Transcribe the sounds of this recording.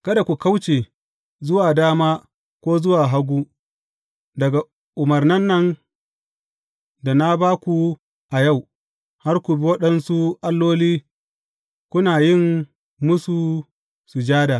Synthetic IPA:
kɐ˦da˨kʷu˨ka˦wt͡ʃeː˨ | zʊ˦waː˨daː˦maː˦ | kʷoː˦zʊ˦waː˨ɦa˦ɡʷuː˦ | dɐ˨ɡa˨ | ʔʊ˨mɐ˨rnɐ˦nːɐ˦n | da˨na˦baː˦kʷu˨ | ʔa˨ja˦˨w | ha˦rkʷu˨bi˦wɐ˦ɗɐ˦nsu˦ʔa˦lːoː˦liː˦ | kʷʊ˦naː˨jɪ˦˨ŋ | mʊ˦su˨ | su˨d͡ʒaː˦da˨

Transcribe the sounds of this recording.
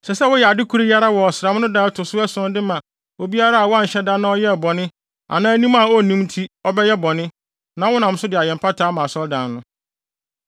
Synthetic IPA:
sɛ˨sɛ˦wʊ˦jɛ˨a˨dɪ˦kʰu˨˦ɾi˦ja˦ɾa˦wɔ˨ɔ˨sɪ˨ɾa˨m̃˦nʊ̃˦daː˦tʰʊ˨sʊ˦ɛ˦sʊ̃˦n˦dɪ˦mã˨ | wɔ˦bi˦a˦ɾa˦a˨wɔ˦a˦n̩˨ɕɛ˦dã˦nːã˦ɔ˦jɛ˦˨bɔ˨nɪ̃˦ | a̰˨nãː˦nĩ˦ma˨ɔ˦˨nĩ˦mtʰi˦ɔ˦bɛ˦jɛ˦bɔ˨nɪ̃˦ | nã˨˦wʊ˦nã˨m̩˦sʊ˦dɪ˨a˨jɛ̃˨m̩˨pʰa˦tʰaː˦mã˨sɔ˦ldã˨nː˦ʊ̃˦

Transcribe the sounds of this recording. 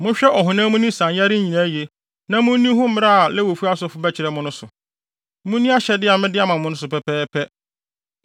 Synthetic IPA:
mʊ̃˦ɕᶣɛ˦ʔɔ˨ɦʊ̃˨nã˦mʊ̃˦nĩ˦sã˨nja˦ɾɪ˦ĩ˨nã˨˦je˨ | nã˦mʊ̃˦nĩ˦ɦʊ̃˦m̩˦mɪ˦ɾa˦a˨lɛ˦wo˨fu˦a˦sʊ˨fʊ˦bɛ˦t͡ɕʰɪ˨ɾɛ˨˦mʊ̃˦nʊ̃˦sʊ˨ | mʊ̃˦nːĩ˦a˦ɕɛ˨dɪ˦a˨mɪ̃˦dɪ˦a˨mã˨mʊ̃˦nʊ̃˦sʊ˨pɛ˨pʰɛː˦pʰɛ˦

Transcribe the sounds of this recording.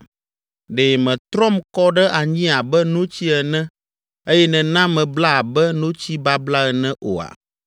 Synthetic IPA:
ɖeː˨mɛ̃˨t̪ɾɔ˦mkɔ˦ɖɛ˦ʔa˨ɲĩ˦a˨bɛ˦nũ˦t͡ɕi˦ɛ˨nɛ̃˦ | e˦jɛ˦nɛ̃˨nã˦mɛ̃˨bla˦a˨bɛ˦nũ˦t͡ɕi˦ba˦bla˦ɛ˨nɛ̃˦ʔo̰˨a̰˨

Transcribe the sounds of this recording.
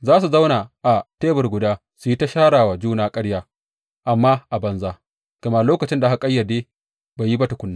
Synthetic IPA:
zaː˦s̬u˨za˦wnaː˨ʔa˨teː˦bɐ˨rɡʷʊ˨daː˦ | su˨ji˦ta˦ʃaː˦ɽaː˨waː˨d͡ʒuː˦naː˦kʼɐ˦ɽjaː˦ | ʔa˨mːaː˦ʔa˨bɐ˨nzaː˦ | ɡ̥ɐ˨ma˨loː˦kɐ˨t͡ʃɪ˦nda˨ɦa˨kʼɐ˦jːa˨deː˦ | baː˨ji˦bɐ˦ta˨kʷʊ˦nːa˦

